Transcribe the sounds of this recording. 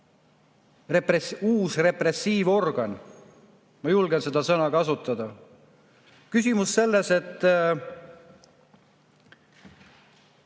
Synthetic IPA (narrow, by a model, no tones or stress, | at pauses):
represuːsre̞pre̞sːiːvo̞rɡ̥ɑn | mɑjulɡense̞d̪̥ɑsɤnɑkɑsut̪ːˑɑd̪ɑ | kysʲimusːe̞lːe̞se̞t̪ˑː